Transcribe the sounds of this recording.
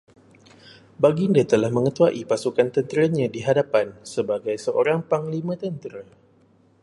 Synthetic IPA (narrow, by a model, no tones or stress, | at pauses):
baɡindət̪əlahmə̃ŋət̪uaʔipasukant̪ənt̪əɾaɲãdiɦadapansəbaɡajsəʔoɾaŋpaŋlimãt̪ənt̪ɾə